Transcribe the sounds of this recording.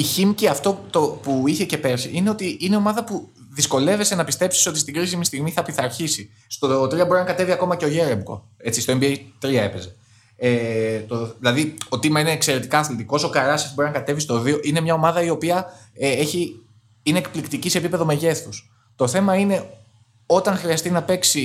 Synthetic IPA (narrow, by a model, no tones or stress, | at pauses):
içimciɐft̪o̞t̪opuiçe̞ce̞pe̞ɾsiʔine̞o̞t̪iineo̞mɐðɐpu | ðisko̞le̞ve̞se̞nɐpist̪e̞psi̥so̞t̪ist̪iɡɾisimist̪iɣmiθɐpiθɐɾçisi | st̪ot̪ɾiɐbo̞ɾinɐkɐt̪e̞viɐko̞mɐceo̞ʝe̞ɾebko̰ | e̞t͡sist̪o̞embiejt̪ɾiɐe̞pe̞ze̞ | et̪oðilɐðio̞t̪imɐine̞ːkse̞ɾe̞t̪ikɐːθlit̪iko̞so̞kɐɾɐsifbo̞ɾinɐkɐt̪e̞vist̪o̞ðio̞ʔine̞mɲɐo̞mɐðɐio̞piɐe̞çi | ine̞ːkplikt̪icise̞ːpipe̞ðo̞me̞ʝe̞θus | t̪o̞θe̞mɐine̞ | o̞t̪ɐŋxɾiɐst̪inɐpe̞ksi